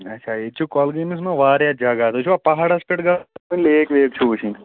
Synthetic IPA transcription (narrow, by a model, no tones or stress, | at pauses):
ɐtːʃʰaet͡ʃʰukɔːlɡinis̬mɐ̃ʋaːɾjad͡ʒaːɡaːt̪ot͡ʃʰuʋapɐɦaɽaspeʈɡaːmɐleːkʋeːkt͡ʃʰuːt͡ʃʰĩ